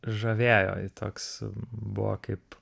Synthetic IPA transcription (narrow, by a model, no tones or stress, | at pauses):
ʒɐʋʲeːjo̰ːɪt̪ʰoːksbʊʋo̰kɐɪp